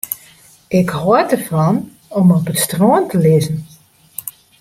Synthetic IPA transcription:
ʔɪkhoədərfɔn | ɔmɔpətstroəntʰəlɪzən̩

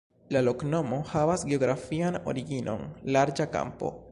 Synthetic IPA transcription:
lalo̞kno̞mo̞havasɡeoɡɾafiano̞̰ɾiɡinʔo̞̰nlaɾd͡ʒaka̰mpo̞̰

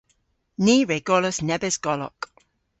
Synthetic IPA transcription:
niːɹeɡ̥ɔləsnɛbɛsɡ̥ɔlɔ̰k

